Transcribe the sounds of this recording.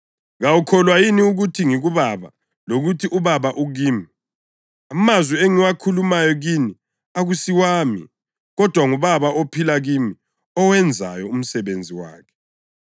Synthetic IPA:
ɣawukʰɔlwajiniuɣutʰiŋiɣuβaβa | loɣutʰiʔuβaβaʔuɣiːmi | amazwieŋiwakʰulumajɔɣini | aɣusiwaːmḭ | ɣɔd̥ʱwaŋuβaβaʔopʰilaɣimi | ɔwɛnd͡zʱa̰jɔum̩sɛβend͡zʱiwa̰ːkʰɛ̥

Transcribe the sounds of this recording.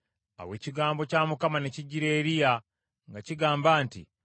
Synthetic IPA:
a̰we̞ːciɡaːmbo̞caːmukamane̞ciɟiɾe̞ːɾija | ŋɡaciɡaːmbaːntḭ

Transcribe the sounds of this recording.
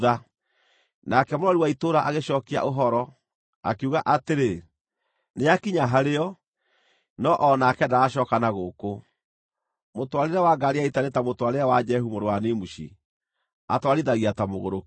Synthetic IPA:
ða | nakɛmoɾɔɾiwaitoːɾaʔaɣeʃɔkea̰ʔoɦɔɾɔ | a̰keuɣaʔateɾe | nejakiɲaɦaɾeɔ | nɔʔɔnakɛdaːʃɔkanaɣoko | motwaɾeɾawaɡaɾiaitanetamotwaɾeɾawad͡ʒɛɦumoɾowanemuʃḭ | atwaɾiðaɣiatamoɣoɾok

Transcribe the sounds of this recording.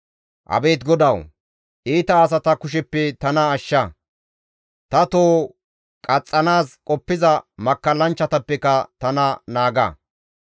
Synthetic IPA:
ʔɐ̰be̞ːt̪ɡɔd̪ɐw | ʔiːt̪ɐːs̬ɐt̪ɐkʊʃ̬ɛpːɛt̪ɐnɐːʃːɐ | t̪ɐt̪oː | kʼɐt͡sʼːɐnaːskʼɔpːɪzɐmɐkːɐlːɐnt͡ʃːɐt̪ɐpːɛkɐt̪ɐnɐnaːɡɐ̰

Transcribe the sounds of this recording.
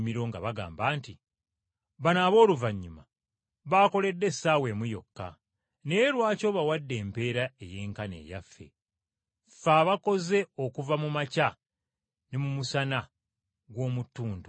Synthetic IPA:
miɾo̞ŋɡa̰βaɡa̰ːmbaːnti | βanaːβo̞ːluvaɲːuma | βaːko̞le̞dːe̞sawe̞mujo̞̰kːa̰ | ne̞ɾwaːco̞ːβawadːe̞ːmpe̞ːɾae̞je̞ːŋkane̞̰ːja̰fːe̞̰ | faːβako̞ze̞o̞kuvamumaca | nemumusana | ɡwo̞ːmutːuːndu

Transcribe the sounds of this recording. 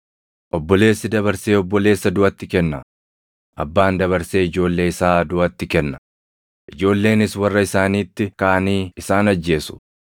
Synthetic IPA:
ʔɔbːɔle̞ːsːɪd̪ɐβɐɾse̞ːɔbːɔle̞ːsːɐd̪ʊʔɐt̪ːɪkɛnːɐ | ʔɐ̰bːaːnd̪ɐβɐɾse̞ːɪd͡ʒo̞ːlːe̞ːɪsaːd̪ʊʔɐt̪ːɪkɛnːɐ̥ | ʔɪd͡ʒo̞ːlːe̞ːnɪswɐrːɐɪsaːniːt̪ːɪkaːniːɪsaːnɐd͡ʒːe̞ːsʊ̥

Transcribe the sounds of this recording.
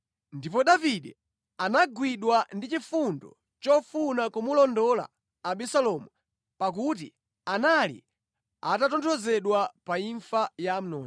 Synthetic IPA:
ndipɔɗaviɗɛ̰ | anaɡwiɗwandit͡ʃifundɔ̰ | t͡ʃɔfunakumulɔndɔla̰ː | ɓɛsalɔmu | pak̬ut̬ḭ | analḭ | atatɔntʰɔzɛɗwapaiɱfajam̩nɔːn

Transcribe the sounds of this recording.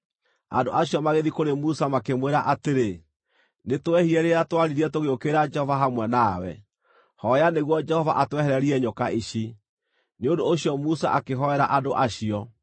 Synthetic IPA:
a̰do̰ʔaɕijɔmaɣeðikoɾemusamakemweɾaʔateɾe | netwɛhiɛɾeatwaɾiɾiɛtoɣeokeɾad͡ʒɛhɔvaɦamwɛnawɛ̰ | hɔjaneɣwɔd͡ʒɛhɔva̰ʔatwɛhɛɾɛɾiɛɲokaʔiɕi | neondoːɕiɔmusa̰ʔakeɦɔɛɾaʔadoʔaɕiɔ

